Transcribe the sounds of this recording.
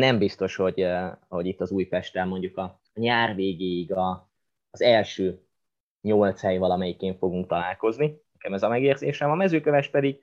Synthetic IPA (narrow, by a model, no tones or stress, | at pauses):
nɛmbist̪o̞ʃho̞ɟho̞ɟit̪ːɒzuːjpɛʃt̪ɛlmo̞ɲɟukɒ | ɲaːrveːɡeːjiɡɒː | zɛlʃøː | ɲolt̪shɛjvɒlɒmɛjikeːɱfo̞ɡuŋk̚t̪ɒlaːlko̞zninɛkɛmɛzɒmɛɡeːrzeːʃɛmɒmɛzøːkøvɛʃpɛd̪iɡ